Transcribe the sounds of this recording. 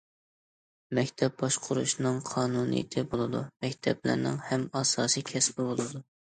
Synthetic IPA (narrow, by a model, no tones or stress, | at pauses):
mɛkʲt̪ʰɛp̚bɑʃqʰʊɾuʃnɨŋqʰɑːnunḭj̰t̪ʰɪbolˠɨd̪umɛkʲt̪ʰɛblɪ̰ɾnɪ̰ŋhɛmɑsɑːsijkʲʰɛsbolˠolˠɨd̪u